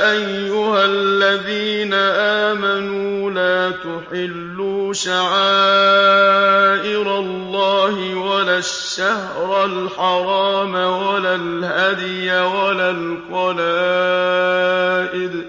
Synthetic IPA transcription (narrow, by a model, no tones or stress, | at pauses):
ʔajːʊhalːaðiːnaʔaːmanuuːlaːt̪ʊħɪlːuːʃaʕaː | ʔɪɾalˤːɑːhɪwalaːʃːah | ɾˤalħɑɾˤɑːmawalaːlhad̪ɪjawalaːl | qɑlaː | ʔɪd̪